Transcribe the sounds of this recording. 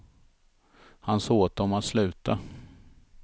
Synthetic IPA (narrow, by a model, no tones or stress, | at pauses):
hansoːt̪̚ɔmat̪slʉ̟ːt̪a